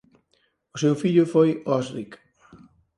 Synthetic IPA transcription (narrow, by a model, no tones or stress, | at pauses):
ʊsewfiʎʊfojɔsɾik